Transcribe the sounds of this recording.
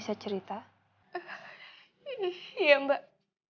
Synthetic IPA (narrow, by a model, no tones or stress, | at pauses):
sat͡ʃəɾit̪a | iniijambaʔ